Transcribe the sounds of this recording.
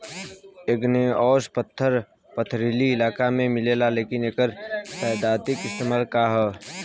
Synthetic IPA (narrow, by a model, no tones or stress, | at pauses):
eːɡneɔːspət̪ʰːəɾ | pət̪ʰɾiliɪlaːkamẽmɪleːlaleːkɪneːkəɾt̪ɛjd̪aːt̪ɪkɪst̪eːmaːlkaɦɛː